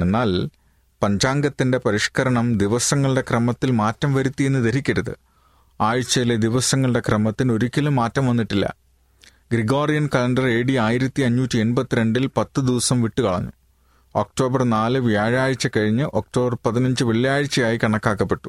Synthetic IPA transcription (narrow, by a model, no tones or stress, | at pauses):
enːaːl | pɐɲd͡ʑaːŋɡɐt̪ːinde̞pɐɾiʂkɐɾɐɳɐmd̪iʋɐsɐŋːɐɭɨɽe̞krɐmɐt̪ːilmaːtːɐmʋɐɾut̪ːije̞nːɨd̪ɐɾikʲːɐɾɐðɨ̰ | aːɻɨt͡ɕːɐjiled̪iʋɐsɐŋːɐɭɨɽe̞krɐmɐt̪ːino̞ɾukʲːɐlumːaːtːɐmʋɐnːiʈːilːɐ̰ | ɡɾiɡo̞ːrijɐnkɐlɐɳɖɐre̞ːɽiaːjiɾɐt̪ːiɐɲːuːtʲːie̞nbɐt̪ːiɾe̞ɳɖilpɐt̪ːɨd̪iʋɐsɐmʋiʈːukɐɭɐ̰ɲːu | o̞k̚ʈo̞ːbɐrnaːlɨʋijaːɻaːɻit͡ɕːɐkɐɻiɲːɨʔo̞k̚ʈo̞ːbɐrpɐðinɐɲd͡ʑɨʋiɭjaːɻt͡ɕːɐjaːjikɐɳɐkːaːkːɐpːeʈːu̥